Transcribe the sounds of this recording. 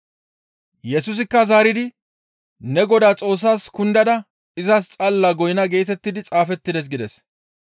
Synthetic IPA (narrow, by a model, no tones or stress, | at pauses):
jɛsʊs̬ɪkːɐzaːɾɪd̪ɪ | nɛɡɔd̪aːt͡sʼo̞ːs̬ːaːskʊnd̪ɐd̪ɐ | ɪzɐst͡sʼɐlːaɡɔjɪnɐɡe̞ːt̪ɛt̪ːɪd̪ɪt͡sʼaːfɛt̪ːɪd̪ɛs̬ɡɪd̪ɛs